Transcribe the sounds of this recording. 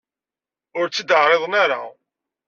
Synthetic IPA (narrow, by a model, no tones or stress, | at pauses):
ʊɾt͡sːəd̪əʕɾeðˤnaɾa̰